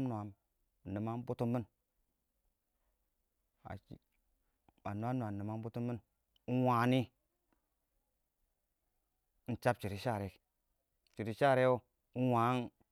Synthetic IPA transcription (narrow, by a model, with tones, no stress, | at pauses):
mn˨a˨m˨ | ni˨ma˦m˦bu˦tu˦mːi˦n | a̰˨ | a˨nu˨˦a˦nu˨a˨ni˨ma˨˦m˦bu˦tu˦mːi˦n | u˦wa˨ni˦ | n̩˦t͡ʃa˦p̚t͡ʃi˨ɾi˨˦ʃa˦˨ɾe˨˦k | t͡ʃi˨ɾi˨ʃa˦˨ɾe˦o˦ | u˦wa˨˦n